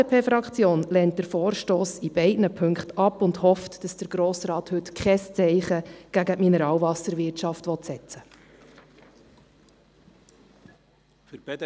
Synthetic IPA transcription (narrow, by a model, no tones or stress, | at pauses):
epʰeːfɾɑkt͡sjoːnlɛnt̚d̥əɾfoːɾʃtoːsib̥ɛɪdnəpʰɵŋktɑpʊndhɔftd̥ɑsd̥əɾɡ̥ɾoːsɾɑːt̪hɵtkʰχɛst͡sɛɪχəɡ̥æɡəminəɾɑːwvɑsəɾʋɪtʃɑftʋɔt̪sɛt͡sə